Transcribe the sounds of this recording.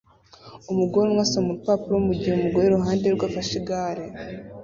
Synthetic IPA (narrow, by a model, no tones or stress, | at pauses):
umuɡoɾemwaːsamuɾupapuɾomuɟiumuɡoɾeɾuɦaːndeɾɡwaːfaʃiɡaɾe